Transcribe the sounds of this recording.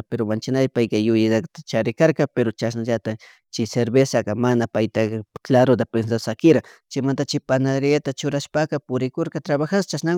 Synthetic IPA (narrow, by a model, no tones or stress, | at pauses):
peɾomant͡ʃɪnajpajkajʊjɪt̪akt̪at͡ʃaɾɪkaɾkapeɾot͡ʃasnaʒat̪a | t͡ʃɪseɾbesakamanapajt̪akklaɾot̪̬apens̬asakɪɾat͡ʃɪmant̪at͡ʃɪpanaɾɪat̪at͡ʃʊɾaʃpakapʊɾɪkoɾkat̪ɾaβaxast͡ʃasna